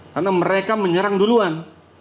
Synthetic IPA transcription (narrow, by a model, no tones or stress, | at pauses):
karnaməɾekaməɲəɾaŋduluan